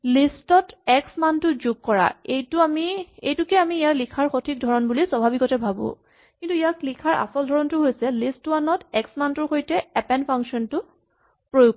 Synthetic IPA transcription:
listɔtɛksmantʊzʊɡ̚kɔɹa̰ejtʊamiḛjtʊkɛamiːjaklikʰaɹxotʰik̚dʱɔɹɔnbuliswabʱabikɔtɛbʱabʊ̰̃ | kintuijaklikʰaɹʔa̰sɔldʱɔɹɔntʊɦojsɛlistːʊmanɔtɛksmantʊɹxojtɛɛpɛnpʰaŋksɔntʊ | pɹojuk̚

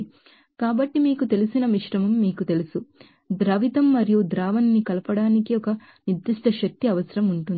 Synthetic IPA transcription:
kaːbɐʈːimiːkut̪e̞lusinɐmiʂɾɐmɐmːiːkut̪e̞lusu | d̪ɾɐʋit̪ɐmːɐɾijud̪ɾaːʋɐnːikɐlɐpɐɽaːnikiɔkɐ | nid̪ːiʂʈʰɐʃɐk̚t̪iɐʋɐsɐɾɐmuɳʈund̪i

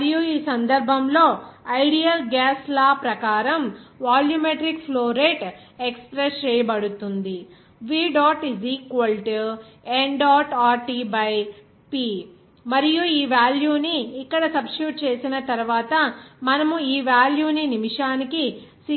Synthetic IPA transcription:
ɾijuiːsɐnd̪ɐɾbʱɐmlo̞ːɐjɽijɐlɡaːslaːpɾɐkaːɾɐmʋaːljumeʈɾikpʰloːɾeʈ | ekspɾest͡ʃɛːjɐbɐɽut̪und̪i | ʋiːɖaːʈiziːkʋɐlʈeɳɖaːʈaːɾʈiːbɐj | piː | mɐɾijuiːʋjaːljuːniːkːɐɽɐsɐbsuːʈ̚t͡ʃe̞ːsinɐt̪ɐɾuʋaːt̪ɐmɐnɐmuiːʋjaːljuːninimiʂaːnikis

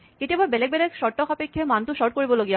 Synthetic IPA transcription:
keʈebɔɾbɛlek̚bɛlekʃɔʈːokʰapekʰːemant̪uʃɔʈ̚koɾiboloɡija

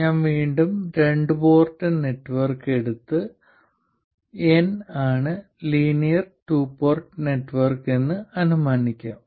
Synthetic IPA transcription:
ɲaːnʋiːɳɖumɾe̞ɳɖɨpo̞ːrʈːɨne̞ʈːʋɐrke̞ɽut̪ːɨ | enaːɳɨ | liːnijɐrʈuːpːoːrʈɨne̞ʈːʋɐrke̞nːɨɐnumaːnikʲːaːm

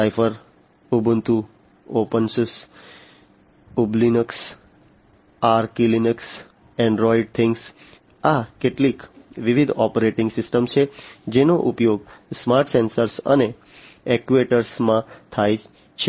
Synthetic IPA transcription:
ajfʰəɾ | ubʱunt̪u | opənsus | ublinəks | aɾkilinəks | ẽɳɖɾɔiɖ̚t̪ʰɪ̃ŋɡs | akeʈlikʋiʋid̪ʱɔpəɾeʈɪ̃ŋɡsɪsʈəmt͡ʃʰed͡ʒenoʔupjoɡsmaɾʈʰsẽnsəɾsə̰ne | ekʋeʈəɾsmãt̪ʰaj | t͡ʃʰe

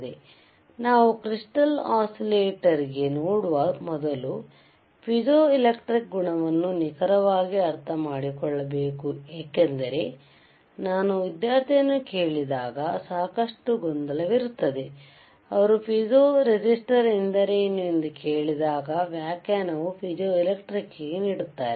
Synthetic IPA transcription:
d̪e | naːʋukɾiʂʈɐlaːsileːʈɐɾiɡe̞noːɽuʋɐmɔd̪ɐlu | pʰid͡ʒoːilekʈɾik̚ɡuɳɐʋɐnːunikɐɾɐʋaːɡiɐɾt̪ʰɐmaːɽikɔɭːɐbe̞ːkueːkend̪ɐɾe̞ | naːnuʋid̪jaːɾt̪ʰijɐnːukeːɭid̪aːɡɐsaːkɐʂʈuɡɔnd̪ɐlɐʋiɾut̪ːɐd̪e̞ | ɐʋɐɾupʰid͡ʒoːɾed͡ʒisʈɐɾend̪ɐɾenend̪uke̞ːɭid̪aːɡɐʋjaːkaːnɐʋupʰid͡ʒoːilekʈɾikːiɡeniːɽut̪ːaːɾe

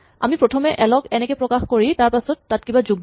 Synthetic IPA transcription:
a̰mipɹɔtʰɔmɛʔɛlɔkɛnɛkɔpɹɔkaxkoɹitaɹpasɔtːat̚kibazuɡ̚

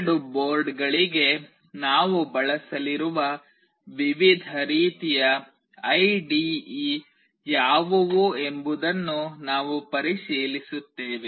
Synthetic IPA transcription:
ɽuboːɾɖɡɐɭiɡe̞ | naːʋubɐɭɐsɐliɾuʋɐ | ʋiʋid̪ʱɐɾiːt̪ijɐ | ɐjɖiː | jaːʋɐʋue̞mbud̪ɐnːunaːʋupɐɾiʃiːlisut̪ːeːʋe

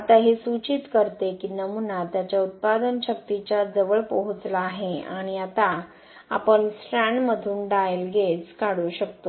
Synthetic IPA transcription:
at̪aɦesut͡ɕit̪kəɾt̪ekinəmunat̪jat͡ɕjaut̪̚pad̪ənɕək̚t̪it͡ɕad͡zəʋəɭpoɦut͡slaːɦeaɽ̃iat̪a | a̰pəɳsɾaɳməd̪ʱuːnɖajelɡet͡skaɽuːɕəkt̪o

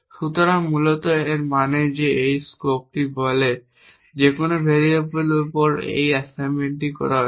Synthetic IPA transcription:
ʃut̪oɾaŋmulot̪oeɾmaned͡ʑeːjskop̚ʈibole | d͡ʑekonobʱeɾiebelupoɾḛjɛsajmeɳʈikɔ̰ɾaɦ

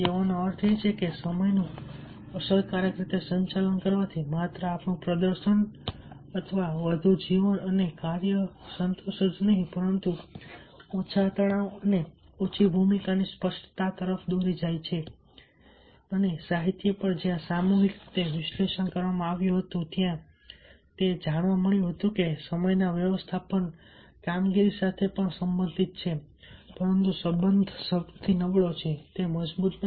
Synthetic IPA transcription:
eʋonəɾt̪ʰet͡ʃʰekesəməjnũ | əsəlkaɾjəkɾit̪esəɲt͡ʃalənkəɾʋat̪ʰimat̪ɾəapɳũpɾəd̪əɾʃən | ət̪ʰəʋaʋəd̪ʱud͡ʒiʋənənekaɾjəsənt̪oʃəd͡ʒnəɦĩpəɾənt̪u | ot͡ʃʰat̪əɭaʋəne | ot͡ʃʰibʱumikanispəsʈt̪at̪əɾəfd̪oɾid͡ʒajt͡ʃʰe | ənesaɦit̪jəpəɳd͡ʒjãsamuɦikt̪eʋɪʃleʃənkəɾʋamãaʋjũɦət̪ũt̪jã | t̪ed͡ʒaɳ̃ʋãməɭjũɦət̪ũkesəməjnaʋjəʋəst̪ʰapən | kamɡiɾisat̪ʰepəɳsəmbə̃nd̪ʱit̪̚t͡ʃʰe | pəɾənt̪usəbənd̪ʱsət̪ʰinəʋɭot͡ʃʰet̪eməd͡ʒbut̪

